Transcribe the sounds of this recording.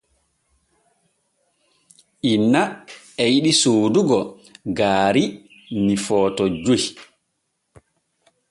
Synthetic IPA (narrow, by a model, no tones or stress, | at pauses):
ʔinːa | ɛjiɗisoːduɡɔ | ɡaːɾi | nifɔːtɔd͡ʒuh